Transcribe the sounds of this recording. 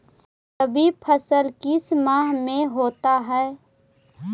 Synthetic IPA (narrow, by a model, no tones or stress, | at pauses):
t̪əbʱipʰəsəlkɪsmaːɦmẽɦoːt̪aɦɛː